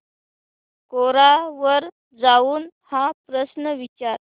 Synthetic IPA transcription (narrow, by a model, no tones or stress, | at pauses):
koɾaʋəɾ | d͡zauːn | hãpɾəsnəʋit͡ɕaɾ